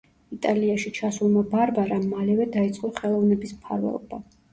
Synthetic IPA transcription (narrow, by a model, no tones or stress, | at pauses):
it̪ʼaliaʃit͡ʃʰasulˠmabaɾbaɾamːalɛvɛd̪ait̪sʼɔχɛlˠɔvnɛbismpʰa̰ɾvɛ̰lˠɔ̰ba